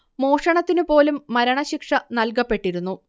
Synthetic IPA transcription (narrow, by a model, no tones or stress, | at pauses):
mo̞ːʂɐɳɐt̪ːinupo̞ːlumːɐɾɐɳɐɕikʂɐnɐlkɐpːe̞ʈːiɾunːu